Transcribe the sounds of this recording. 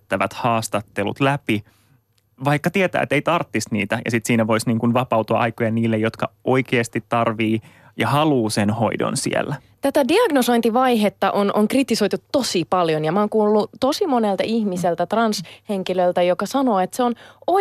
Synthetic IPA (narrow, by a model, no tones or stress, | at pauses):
t̪ːæʋæ̰t̪hɑːst̪ɑt̪ːelṵt̪læpi | ʋɑikːɑt̪iet̪æ̰ːḛt̪ːeit̪ɑrt̪ːist̪nḭːt̪æjɑ̰sit̪siːnæʋo̞isniːŋkunʋɑpɑwt̪uɑ̰ʔɑjkojɑniːlːejot̪kɑʔoikeːst̪it̪tːɑrʋiː | jɑhɑluːsenho̰ido̰nsḭḛlːæ | t̪æt̪ædiɑɡnoso̞int̪iʋɑiɦet̪ːɑʔonʔoŋkrit̪iso̞jt̪ut̪tosipɑljonjɑmɑoːŋkuːlːut̪osimonelt̪ɑihmiselt̪æt̪rɑnsheŋkilølt̪æjokɑsɑnoːet̪seono